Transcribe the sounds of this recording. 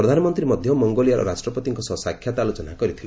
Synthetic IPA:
ɾɔd̪ʱanɔmɔnt̪ɾimɔd̪ʱjɔmɔŋɡolijaɾɔ̰ɾasʈɾɔpɔt̪iŋkɔsɔsakʰjat̪alot͡ʃɔnakɔɾit̪ʰile

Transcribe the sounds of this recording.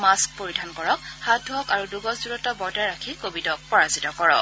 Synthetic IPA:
mask̚poɹidʱankɔɹɔk̚hadʱɔkaɹuduɡɔszuɹɔtɔbɔɹtaɹakʰikobitɔk̚pɔɹazitɔkɔɹɔ̰

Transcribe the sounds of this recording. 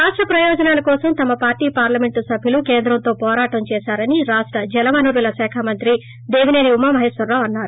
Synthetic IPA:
ɾaːʂʈɾɐpɾɐjɔːd͡ʒɐnaːlɐkɔːsɐmt̪ɐmɐpaːɾʈiːpaːɾlɐmeɳʈusɐbʱilukeːnd̪ɾɐnt̪o̞ːpɔːɾaːʈɐmt͡ʃɛːʃaːɾɐniɾaːʂʈɾɐd͡ʒɛlɐmɐnuːɾulɐʃɛːkʰaːmɐnt̪ɾi | d̪eːʋineniumːɐmɐɦeːsʋɐɾːaːʋɐnːaːɾu

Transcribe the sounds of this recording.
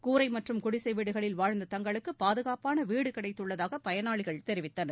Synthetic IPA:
kuːɾɐɪmɐʈrɯmkʊɽɪsɐɪʋiːɽɯɣɐɭɪlʋaːɻnd̪ɐt̪ɐŋɡɐɭɯkːɯpaːðɯɣaːpaːnɐʋiːɽɯkɐɽɐɪt̪ːɯɭːɐðaːɣɐpɐjɐnaːɭɪɣɐɭt̪ɛɾɪʋɪt̪ːɐnɐ

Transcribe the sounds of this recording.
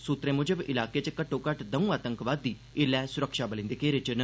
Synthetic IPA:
sʊt̪ɾẽːmʊd͡ʒəbɪlaːkeːt͡ʃkəʈʰːõːkəʈd̪əũːaːt̪əŋkʋaːd̪ːiː | ɪlɛːsʊɾəkʃaːbəlɪ̃ːnd̪eːkeːɾet͡ʃn

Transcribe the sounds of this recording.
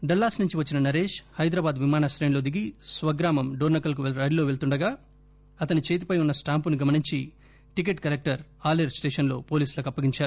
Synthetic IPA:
ɖɐlːaːsnuɲt͡ʃiʋɐt͡ʃːinɐnɐɾe̞ːʃhɐjd̪ɾɐbaːd̪ʋimaːnɐsɾeːlo̞ːd̪iɡisʋɐɡɾaːmɐmɖoːɾnɐkːɐlk̬uʋɾɐɽiloːʋe̞ɭt̪uɳɖɐɡaː | ɐt̪ɐnit͡ʃe̞ːt̪̬ipɐjunːɐsʈaːmpuniɡɐmɐniɲt͡ʃi | ʈik̬eʈkɐlek̚ʈɐɾaːleɾsʈeːʂɐnlo̞ːpo̞ːliːsulɐkɐpːɐɡiɲt͡ʃaːɾu

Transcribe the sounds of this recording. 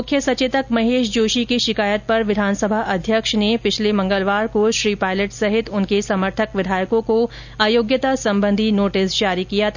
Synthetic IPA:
mʊkʰjəsɐt͡ʃet̪əkmɐɦeːʃd͡ʒoːʃikiʃɪkaːjət̪̚pɐɾʋɪd̪ʱaːnsəbʱaʔɐd̪ʱjəkʃnepɪt͡ʃʰlemɐ̃ŋɡəlʋaːɾkoʃɾiːpaːɪləʈsɐɦɪt̪ʊnkesɐməɾt̪ʰəkʋɪd̪ʱaːjəkõko | aːjoːɡjət̪asɐ̃mbə̃nd̪ʱinoːʈɪsd͡ʒaːɾikijat̪ʰa

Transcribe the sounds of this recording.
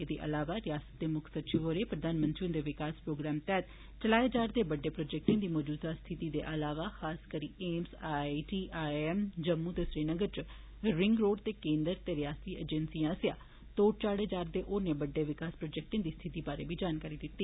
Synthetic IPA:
ed̪eːʔə̰laːʋaːɾɪjaːsə̥t̪̚d̪eːmʊkʰsətːʃʰiʋoːɾeːpɾəd̪aːnmənt̪ɾiːʊ̃nd̪eːʋɪkaːspɾoːɡɾɛːmt̪ɛːt̪ | t͡ʃəlaːeːd͡ʒaːɾd̪eːbəɖːeːpɾoːd͡ʒɛk̚ʈɪ̃ːd̪iːmɔːd͡ʒuːd̪aːst̪ʰɪt̪iːd̪ḛːʔəlaːʋaːxaːskəɾiːʔeːmsaiʈiːʔaːɛːmd͡ʒəmːũːt̪eːsɾiːnəɡəɾt͡ʃ | ɾɪŋɡɾoːɖt̪eːkẽːnd̪əɾt̪eːɾɪjaːst̪iːʔḛd͡ʒɛnsijãːsɪjaː | t̪oːʈ̚t͡ʃaːɽeːd͡ʒaːɾd̪eːʔoːɾneːbəɖːeːʋɪkaːspɾoːd͡ʒɛːk̚ʈẽːd̪iːst̪ʰɪt̪iːbaːɾḛːbiːd͡ʒaːnkaːɾiːd̪ɪt̪ːiː

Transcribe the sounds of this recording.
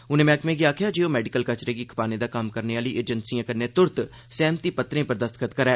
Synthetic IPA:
ʊnẽːmɛ̃ːkmẽːɡiaːkʰjaːd͡ʒeːoːmɛːɖɪkəlkət͡ʃɾeːɡiːkʰə̥paːnẽːd̪aːkəmkəɾneːaːliːʔeːd͡ʒənsijãːkənːẽːt̪ʊɾt̪ | sɛːmt̪iːpət̪ɾẽːpəɾd̪əst̪əkət̪kəɾɛː

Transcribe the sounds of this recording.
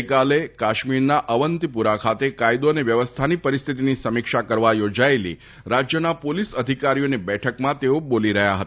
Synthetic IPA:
kalekaʃmiɾnaʔəʋənt̪ipuɾakʰat̪ekajd̪oəneʋjəʋəst̪ʰanipəɾist̪ʰit̪inisəmikʃakəɾʋajod͡ʒaelḭ | ɾad͡ʒjənapolisəd̪ʱikaɾijonibɛʈʰəkmãt̪eoboliɾəɦjaɦət̪

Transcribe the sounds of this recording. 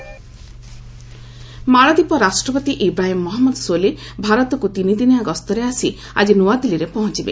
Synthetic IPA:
maɭad̪ipɔɾasʈɾɔpɔt̪iʔibɾaɦimːɔɦɔmːɔd̪sole | bʱaɾɔt̪ɔkut̪inid̪injaɡɔst̪ɔɾeasi | a̰d͡ʒinuwad̪iliɾepɔɦɔ̃t͡ʃibḛ

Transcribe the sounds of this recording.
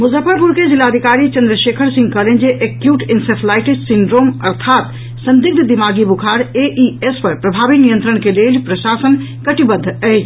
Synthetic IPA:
muzəfəɾpuɾked͡ʒilad̪ʱikaɾit͡ʃənd̪ɾəʃekʰəɾsĩŋɡ̚kəɦlend͡ʒeʔekjuʈinsepʰlajʈissiɳɖɾomə̰ɾt̪ʰat̪ | sə̃nd̪ik̚t̪d̪imaɡibukʰaɾeʔiespəɾpɾəbʱabinijə̃nt̪ɾəɽ̃kelelpɾəsasən | kəʈibəd̪ʱːəjd͡ʒʰ

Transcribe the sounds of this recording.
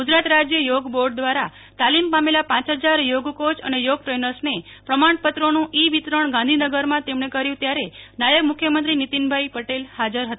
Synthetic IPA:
ɡud͡ʒɾat̪ɾad͡ʒjəjoɡboɾɖ̚d̪ʋaɾa | t̪alimpamelapãt͡ʃɦəd͡ʒaɾjoɡkot͡ʃənejoɡ̚ʈɾenəɾsnepɾəmaɳpət̪ɾonũʔiʋit̪ɾəɳɡãnd̪ʱinəɡəɾmãt̪emɳekəɾjũt̪jaɾenajəɡmʊkʰjəmənt̪ɾinit̪inbʱajpəʈelhad͡ʒəɾɦət̪ḁ

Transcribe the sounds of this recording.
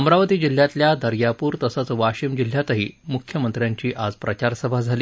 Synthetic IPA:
əmɾaʋət̪iːd͡ʑil̤jat̪ljad̪ʱəɾjapuːɾt̪əsat͡sʋaɕiːmd͡ʑil̤jat̪əɦiːmukʰjəmənt̪ɾjaɲt͡ɕiːʔad͡zpɾət͡ɕaɾsəbʱad͡zʱaliː

